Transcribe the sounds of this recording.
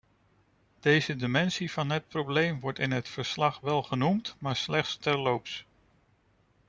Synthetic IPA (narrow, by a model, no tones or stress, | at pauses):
d̥ejzədimɛnsiv̥ɑnɦət̚prowblejmʋɔɹtɪnɦətfəɹslɑχʋɛlˠχənumtmaːɹslɛχtstɛɹlowps